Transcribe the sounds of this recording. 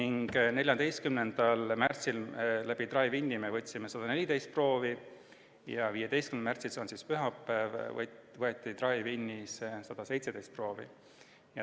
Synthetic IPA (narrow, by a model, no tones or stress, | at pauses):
niŋɡ̥nelʲjɑnd̪e̞jst̪kymnend̪̥ɑlmært̪sillæb̥it̪rɑivinʲːimevɤt̪ʲːsimesɑd̪̥ɑnelid̪e̞jst̪pro̞ːvi | jɑviːje̞d̪e̞jst̪kymnmært̪sisonsispyɦɑpːˑæːv̰vɤe̞t̪ˑːit̪rɑvjvinːissɑd̪̥ɑse̞jt̪se̥ejst̪pro̞ːvḭ | jɑ